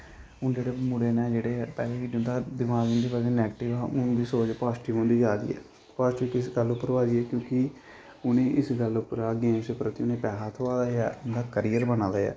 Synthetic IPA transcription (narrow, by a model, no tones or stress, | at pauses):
ʊnd͡ʒeːɽeːmʊɽeːnɛ̃ːd͡ʒeːɽeːpɛːlẽːid͡ʒʊnd̪aːd̪ɪmaːɡʊnd̪iːpɛːlẽːnɛːɡəʈɪʋɛːʊnd̪iːsoːt͡ʃpaːsʈiːʊ̃nd̪iːd͡ʒaːd̪ḭːɛ̰ː | paːsʈiːkɪsɡəlːʊpːəɾʋaːd̪iːɛːkjõːkɪ | ʊnẽːʔɪsɡəlʊpːəɾaːɡeːsepɾət̪iʊnẽːpɛːɦaːt̪ʰʊaːd̪aːɛːʊnd̪aːkəɾijəɾbənãːd̪aːɛ̰ː